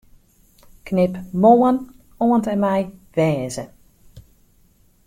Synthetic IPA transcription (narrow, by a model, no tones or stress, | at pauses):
knɪpmoːən | oəntɛnmɛjʋɛːzə